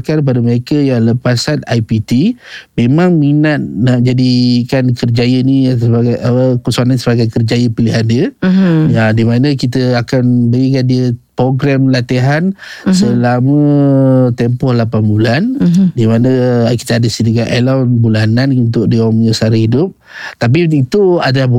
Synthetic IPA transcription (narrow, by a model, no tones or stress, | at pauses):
kanpadəməɾekəjaŋləpasat̪̚ajpit̪imemãŋminat̪̚nad͡ʒadikankərd͡ʒajənisəkəsuananisəbaɡajkərd͡ʒajəpiliɦandiə | adimanəkit̪əakanbəɡik̬andiəpɾoɡɾɛmlat̪iɦansəlamə̃ | t̪ɛmpɔhlapanbulandimanəki̥t̪əadəsidiɡaʔ̪ʔalawnbulananunt̪̬ʊk̚diaməɲəsaɾəhidʊp̚ | t̪ap̬iit̪uada